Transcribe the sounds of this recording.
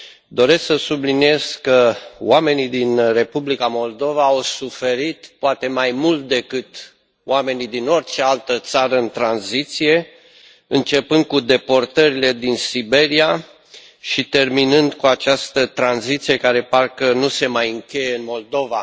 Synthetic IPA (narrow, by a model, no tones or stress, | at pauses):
d̪o̞ɾe̞sksəsublinije̞z̥kəwame̞nid̪inre̞publikamo̞ld̪o̞vaːwsufe̞ɾit̪poat̪e̞majmult̪̚d̪e̞kɨt̪ | owame̞nid̪ino̞rt͡ʃe̞alt̪ət̪saɾəɨnt̪ɾanzit̪sije̞ | ɨnt͡ʃe̞pɨnd̪̚kud̪e̞po̞rt̪əɾile̞d̪insibe̞ɾia | ʃit̪e̞rminɨnd̪kuat͡ʃast̪ət̪ɾanzit̪sije̞kaɾe̞parkənuse̞majɨŋkʲe̞je̞ɨnmo̞ld̪o̞va